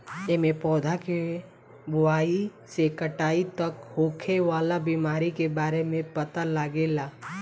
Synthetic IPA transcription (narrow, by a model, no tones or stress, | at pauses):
eːmẽpɔːd̪ʱake | bʊaːisekəʈaːit̪ɐkhoːkʰeʋaːlabiːmaːɾikebaːɾemẽpət̪alaɡeːlaː